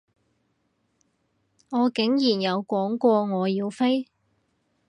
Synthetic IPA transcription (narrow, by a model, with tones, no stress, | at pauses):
ŋɔː˨˧kɪ˨˥ŋjiː˨˩njɐ˨˧wkʷɔː˨˥ŋkʷɔː˧ŋɔː˨˧jiː˧wfe˥j